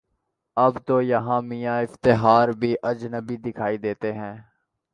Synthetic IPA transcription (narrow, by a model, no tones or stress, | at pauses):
ɐbt̪oːjɐɦãːmijaːɪft̪ɪɦaːɾbʱiːʔɐd͡ʒnəbid̪ɪkʰaːid̪eːt̪eɦɛ̃ː